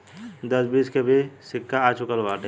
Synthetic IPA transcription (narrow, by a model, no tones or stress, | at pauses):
d̪əsbiːskebʱisɪkːaat͡ʃʊkəlʋaːʈ